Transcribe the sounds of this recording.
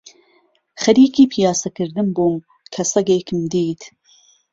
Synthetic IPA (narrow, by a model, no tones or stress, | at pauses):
χɐɾiːkiːpʰijaːsɐkɨɾd̪ɨmboːm | kʰɐsɐɡeːkʰɨmd̪iːt̪ʰ